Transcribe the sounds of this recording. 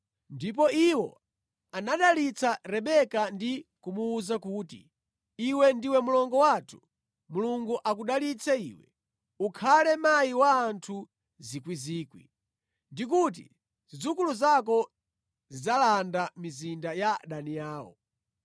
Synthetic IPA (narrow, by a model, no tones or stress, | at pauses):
ndip̬ɔiwɔ̰ | anaɗalit͡sʰaɾɛɓɛkandikumuːzakuːtḭ | iwɛndiwɛmulɔŋɡɔwatʰu̥ | muluŋɡuʔakuɗalit͡sʰɛḭːwɛ̰ | ukʰalɛmajiwaːntʰu | zikwiziːkwḭ | ndik̬ut̬ḭ | z̥id͡zukuluzak̬ɔ | zid͡zalandamizindajaɗaniaːwɔ̰